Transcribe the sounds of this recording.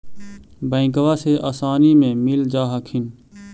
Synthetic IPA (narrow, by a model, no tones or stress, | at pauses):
bə̃ɪ̃kəʋaːseʔaːsaːnimẽmɪld͡ʒaːɦəkʰɪn